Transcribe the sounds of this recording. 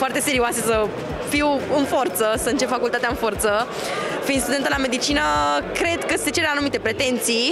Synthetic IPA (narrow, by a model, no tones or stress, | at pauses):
foart̪e̞se̞ɾioasesə | fiwɨnfo̞rt̪səsəɨnt͡ʃe̞pfakult̪at̪eaɨnfo̞rt̪sə | fist̪ud̪e̞nt̪əlame̞d̪it͡ʃinəkɾe̞d̪kəse̞t͡ʃe̞ɾanumit̪epɾe̞t̪e̞nt̪sij